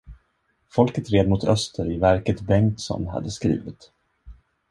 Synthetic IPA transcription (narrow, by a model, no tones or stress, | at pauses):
fɔlkət̪ɾeːd̪mʊt̪ʰœst̪ʰəɾɪvæɾkət̪bɛŋt̪sɔ̰nɦa̰d̪ːəskɾḭːvɪt̪